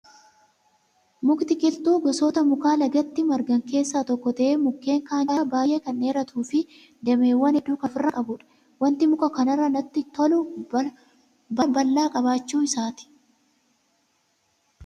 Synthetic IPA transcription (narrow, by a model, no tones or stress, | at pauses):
mʊkt̪ɪkʼɪlt̪uːɡɔsɔːt̪ɐmʊkaːlɐɡɐt̪ːɪmɐɾɡɐŋke̞ːsːaːt̪ɔkːɔt̪ɐʔemʊkːe̞ːŋkaːnabaːjʔe̞ːkɐnːe̞ːɾɐt̪ʰuːfɪ | d̪ɛmeːwːɐnɪd̪uːkɐfɪrːɐkʼɐbʊᶑɐ̥ | wɐnt̪ɪmʊkʼɐkɐnɐrːɐnɐt̪ːɪt̪ɔlʊ | bɐbɐlːaːkʼɐβaːt͡ʃːuːɪsaːt̪ɪ̥